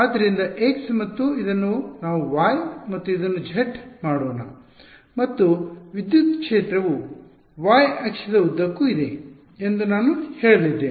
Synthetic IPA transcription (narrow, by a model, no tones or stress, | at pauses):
aːd̪ːɐɾind̪ɐʔeksmɐt̪ːuid̪ɐnːunaːʋuʋaːjmɐt̪ːuid̪ɐnːud͡ʒʱeʈmaːɽoːnɐ | mɐt̪ːuʋid̪jut̪kʂeːt̪ɾɐʋu | ʋaːjɐkʂɐd̪ɐud̪ːɐkːuid̪e̞ | end̪unaːnuhe̞ːɭɐlid̪ːeː